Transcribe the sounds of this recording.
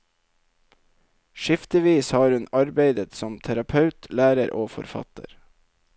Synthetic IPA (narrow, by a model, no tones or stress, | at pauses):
ʃɪft̪əʋiːshɑːɾʉnɑɾbeɪd̪ət̪sɔmt̪ʰæɾɑpʰɑʉt̪ʰlæːɾəɾʔoːfɔ̰ɾfɑ̰t̪ə̰ɾ